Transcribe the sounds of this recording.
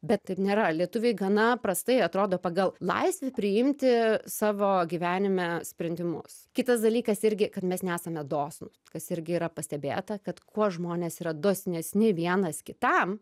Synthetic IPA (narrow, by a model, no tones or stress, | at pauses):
bʲɛt̪t̪ɐɪpnʲeːɾɐlʲiɛt̪ʊʋʲeɪɡɐnɐpɾɐst̪ɐɪɐt̪ɾoːd̪oːpɐɡɐlˠlˠɐ̰ɪsʲʋʲɛpʲɾʲɪɪmʲt̪ʲɪsɑːʋoːɡʲiːʋʲæːnʲɪmʲɛsʲpʲɾʲɪnʲd̪ʲɪmʊ̰skʲɪt̪ɐsd̪ɐlʲiːkɐsɪɾʲɡʲɪkɐt̪mʲɛsnʲɛæːsɐmʲɛd̪oːsnʊ | kɐsɪɾʲɡʲɪiːɾɐpɐsʲt̪ʲɛbʲḛːt̪ɐkɐt̪kuɔʒmoːnʲesiːɾɐd̪oːsʲnʲɛsʲnʲɪʋʲiɛnɐskʲɪt̪ɐm